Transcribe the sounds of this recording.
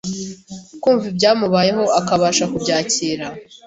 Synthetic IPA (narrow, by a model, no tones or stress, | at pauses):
kuːɱvibɟaːmuβaːje̞ɦo̞akaβaʃakubɟaːciːɾa